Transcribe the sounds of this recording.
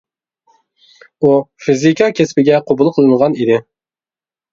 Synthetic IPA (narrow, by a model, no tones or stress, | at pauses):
ufizikɑkʲʰespɪɡʲɛqʰobulˠqʰəlˠɨɴʁɑnid̪ɪ